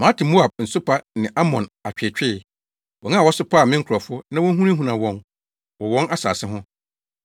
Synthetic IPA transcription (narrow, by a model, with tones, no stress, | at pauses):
mãː˨˦tʰɪ˨mo˦a˨b̚n̩˨sʊ˦pʰa˦nɪ̃˨ʔa˦mɔ̃˨na˨t͡ɕᶣɪ˨t͡ɕᶣɪ˦˨ | wɔ˨ŋã˦˨wɔ˦sʊ˦pʰa˦˨mɪ̃˦ŋ̩˦kʰɔ˨fʊ˦nã˦wɔ˦ɦũ˦nĩ˦ɦũ˨nã˨wɔ̃˦n | wɔ˨wɔ̃˦na˦sa̰ː˨sɪ˦ɦʊ̃˦